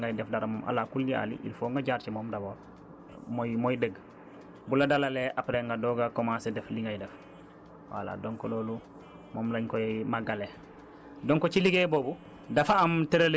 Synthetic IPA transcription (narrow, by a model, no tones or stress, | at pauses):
ŋɡajdefdaɾamomʔa̰lakulːia̰lḭʔḭlfoːŋɡaɟaːɾt͡ʃimoːmdaboːɾ | momojdəɡ | buladalaleʔapɾeŋɡadoːɡakomasedefliŋɡajdef | wa̰la̰doŋkoloːlu | moːmlaɲkojemaɡale | doŋkot͡ʃiliɡeboːbu | dafaːmteɾel